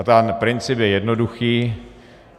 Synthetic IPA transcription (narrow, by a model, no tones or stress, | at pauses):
t̪anpɾɪnt͡sɪpjɛjɛdnoduxiː